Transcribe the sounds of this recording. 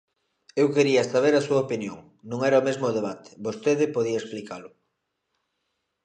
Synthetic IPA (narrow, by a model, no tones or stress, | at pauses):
ewkeɾiɐest̪aβ̞eɾɐsuɐopinjoŋ | nũŋɛɾɐomezmʊð̞eβ̞at̪ʰɪ̥bost̪eðɪpoð̞iɐeksplikalʊ